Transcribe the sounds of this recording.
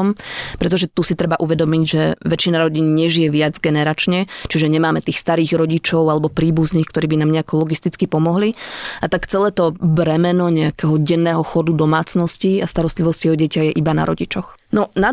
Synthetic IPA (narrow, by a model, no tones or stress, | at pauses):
ɔmpɾɛt̪̬ɔʒɛt̪usit̪ɾɛbaʔuʋɛd̪ɔmiɟʒɛʋɛt͡ʃinaɾɔɟinɲɛʒijɛʋɪad͡zɡɛnɛɾat͡ʃɲɛt͡ʃiʒɛɲɛmaːmɛt̪iːxst̪aɾiːɣɾɔɟit͡ʃɔʊalɛbɔpɾiːbuzniːxkt̪ɔɾiːbinaːmɲɛakɔlɔɡist̪it͡skipɔmɔɦliat̪akt͡sɛlɛːt̪ɔbɾɛmɛnɔɲɛakɛɦɔɟɛnːɛːɦɔxɔd̪ud̪ɔmaːt͡snɔsciast̪aɾɔst̪liʋɔscjɛɦɔɟɛcajɛʔibana̰ɾɔ̰ɟit͡ʃɔx | nɔna